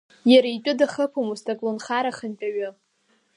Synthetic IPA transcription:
jaɾait͡ʃʼʊdaχəpʰomustʰʼakʼlonχaɾaχənt͡ʃʼaɥʊ

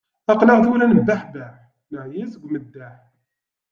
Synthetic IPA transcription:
ɑqləʁθuwnænəbːaħbæħ | nəʕjisəɡʷːməd̪ːaħ

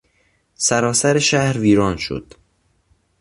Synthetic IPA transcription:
sæɾɒːsæɾeʃæhɾviːɾɒːnʃo̰d̪̥

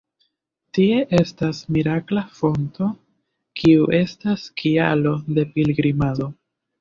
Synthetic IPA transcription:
tie̞ʔe̞stasmiɾaklafo̞nto̞ | kʰiuʔe̞staskʰia̰lo̞de̞pilɡɾimado̞

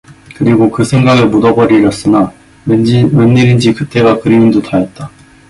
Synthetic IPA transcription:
kɯɾiɡokɯsʰe̞ŋɡaɡemudʌbʌɾiɾʌs͈ɯna | menːɯɾind͡ʑikɯt͈e̞ɡakɯɾimindotajet̚t͈a

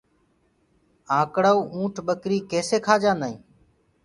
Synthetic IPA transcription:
ãːkɽaːuːũːʈʰɓəkɾiːkeːseːkʰaːd͡ʒãːnd̪aːḭ̃ː

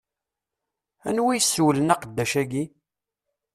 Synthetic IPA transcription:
æ̰nwijsːwlənɑqəd̪ːæʃæɡi

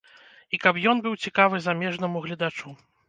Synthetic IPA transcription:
ikɐpjɔnbɨwt͡sʲikavɨzamʲɛʐnɐmuɣlʲid̪at͡ʂu

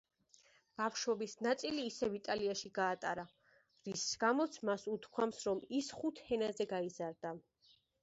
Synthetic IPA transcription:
b̥afʃɔbisnat̪sʼiliːsɛvit̪ʼaliaʃiɡaːt̪ʼaɾa | ɾisɡ̥amɔt̪sʰmasut̪ʰkʰwamsɾɔmisχut̪ʰhɛnazɛɡaizaɾd̪a

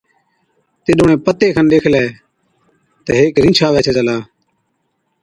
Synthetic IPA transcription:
t̪ɪːɗoːɳẽːpət̪eːkʰənɗeːkʰleː | t̪əɦeːkɾĩːt͡ʃʰaːʋeːsʰeːt͡ʃəlaː

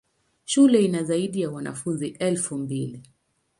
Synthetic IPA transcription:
ʃulɛinazaiɗijawana̰funziʔɛlfumbili

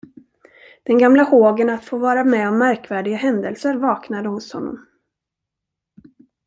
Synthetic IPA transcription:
d̪̥ɛnɡamlahoːɡənat̪foːvɑːɾamɛɔmːæɾkvæːɖɪɡaɦɛnd̪əlsəɾvɑːknad̪əhʊshɔ̰nːɔ̰m

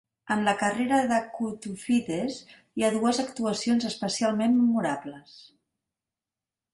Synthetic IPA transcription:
ənləkəreɾəðəkut̪ufiðez | iaðuəzəkt̪uəsionzəspəsialˠmenːəmuɾabləs

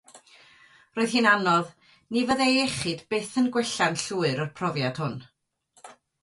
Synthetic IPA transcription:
roːɨð̥hiːnanɔð | nivəðejɛχɨdb̥eːθənɡwɛɬanɬuːɨɾərpʰrɔvjad̥hʊn

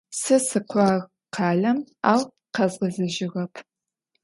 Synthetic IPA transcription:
sɨsɨqʷʰɑːʁ | qʰɑːɮɐma̰ːw | qɐzʁɐzɐʒɪʁɐpʰ

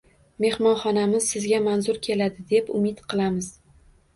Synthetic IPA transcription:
me̞hmɒnχɒnamɪz̥sɪzɡʲamanzʊɾkʲʰe̞lad̪ɪd̪epʊ̰mɪd̪qʰɨlˠamɪz

